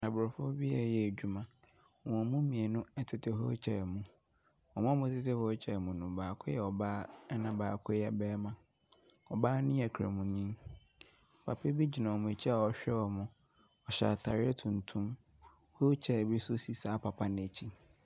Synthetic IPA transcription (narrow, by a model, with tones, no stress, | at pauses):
nã˨bʊ˨ɾʊ˨fʊ˦bi˦a˨jɛ˨e˨d͡ʑᶣu˦mã˨ | wɔ̃˨mũ˦mĩ˨e˨nʊ̃˦ɛ˦tʰɪ˨tʰɪ˨ɦo˦t͡ɕʰɛ˨mũ˨ | ɔ̃˨mʊ̃˦mʊ̃˦tʰɪ˦tɪ˦hɔ˦t͡ɕʰɛ˨mũ˨nʊ̃˨baː˨kʰʊ˦jɛ˨ɔ˨baː˦nã˦˨baː˨kʰʊ˦jɛ˨bɛː˦mã˨ | ɔ˨baː˦nɪ̃˦ɛ˨kʰɾa˨mũ˨nĩ˦˨ | pʰa˨pʰe˦bi˦d͡ʑi˨nã˨ɔ˨mʊ̃˨t͡ɕʰi˦a˨ɔ˦ɕᶣɛ˦ɔ˨mʊ̃˨ | ɔ˨ɕa̰˨tʰa˨ɾɪ˦ɛ˦tʰũ˨ntʰũ˦m | ho˦t͡ɕʰɛ˨bi˦sʊ˦si˨saː˦pʰa˨pʰa˦nɪ̃˨e˨t͡ɕʰi˦